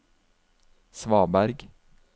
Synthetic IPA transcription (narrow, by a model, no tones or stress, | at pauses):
sʋɑːbæɾɡ